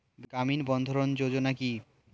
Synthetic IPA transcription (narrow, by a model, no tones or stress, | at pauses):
ɡaminbɔnd̪ʱoɾond͡ʑod͡ʑonaki